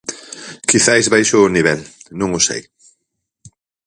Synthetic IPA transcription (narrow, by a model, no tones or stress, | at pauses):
kiθajzβajʃʊːniβ̞ɛlnũŋʊsḛj